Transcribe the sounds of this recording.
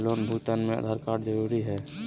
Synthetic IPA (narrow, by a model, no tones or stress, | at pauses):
loːnbʱut̪ənmẽə̰d̪ʱəɾkaːɾd͡ʒəɾuːɾiɦɛː